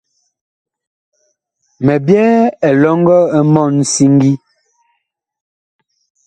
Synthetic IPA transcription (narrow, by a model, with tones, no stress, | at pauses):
mɛ˨bjɛ˦ɛ˨lɔ˦ŋ˦ɡɔ˦ɛ˦mɔ˦˨n˨si˦ŋ˦ɡi˦